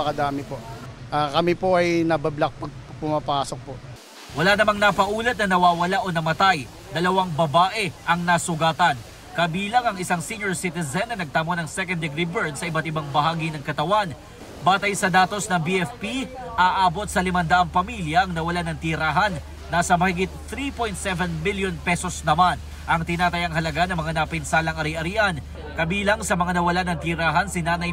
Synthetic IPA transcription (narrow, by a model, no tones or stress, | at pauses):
ɐkɐd̪aːmɪpoʔakɐmipoʔɐjnɐbɐblɐk̚pɐɡ̚pʊmɐpaːsok̚po | wɐlaːnɐmaŋnɐpɐʔuːlɐt̪̚nɐnɐwaːwɐlaʔo̞nɐmɐt̪aj | d̪ɐlɐwaŋbɐbaːʔɛʔɐŋnasʊɡaːt̪ɐn | kɐbiːlɐŋɐŋɪsaŋsinjoɹsit̪ɛzɛnːɐnɐɡ̚t̪ɐmonɐŋsɛkɐ̃nd̪ɛɡɾibɛɹd̪sɐʔɪbɐt̪ɪbaŋbɐɦaːɡinɐŋkɐt̪ɐwan | baːt̪ɐjsɐd̪aːt̪o̞snɐŋbiʔɛfpi | ʔaːʔaːbo̞t̪̚sɐlɪmɐnd̪aʔɐŋpɐmiljɐʔɐŋnɐwɐlanɐŋt̪iɾaːɦɐnː | aːsɐmɐhɪɡit̪̚θɾipo̞jnt̪sɛvɛnmiljonpɛso̞snɐman | ʔɐŋt̪ɪnaːt̪ɐjɐŋhɐlɐɡanɐŋmɐŋanɐpɪnsaːlɐŋɐɾiʔɐɾiʔɐn | kɐbiːlɐŋsɐmɐŋanɐwɐlanɐŋt̪iɾaːɦɐnsɪnaːnɐj